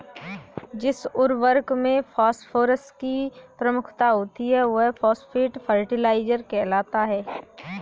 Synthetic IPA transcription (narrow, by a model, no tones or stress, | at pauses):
d͡ʒɪsʊɾʋəɾkmẽfʰaːsfʰoːɾəsʈkipɾəmʊkʰt̪aɦoːt̪iɦɛʋoɦfʰɔːsfiːʈfʰəɾʈɪlaːɪd͡ʒəɾkɛːlaːt̪aɦɛː